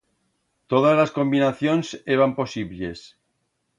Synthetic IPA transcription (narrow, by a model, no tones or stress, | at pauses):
t̪oðazlasko̞mbinaθjonseβampo̞siβles